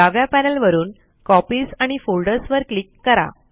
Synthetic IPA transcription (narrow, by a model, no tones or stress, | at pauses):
aʋjapænəlʋəɾuːn | kɔpiːsaɽ̃ifolɖəɾsʋəɾklikːəɾa̰